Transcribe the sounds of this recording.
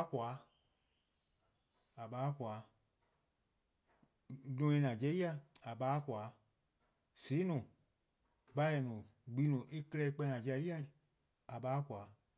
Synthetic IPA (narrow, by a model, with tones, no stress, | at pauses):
a˨˦kwaː˨˦ | a˨ɓaː˨˦kwaː˨˦ | lũ˧˦ẽ˧nã˨d͡ʒɛ˧˦i˦a˧a˨ɓaː˨˦kwaː˨˦ | siː˨˦nũ˨ | ɡ͡ba˧˦ɛ˨nũ˨ɡ͡bi˦nũ˨ʔe˦kə˦˧lɛ˧˦i˦˧k͡pɛ˧˦˧nã˨d͡ʒɛ˧˦i˦ã˦˨ | a˨ɓaː˦kʷaː˨˦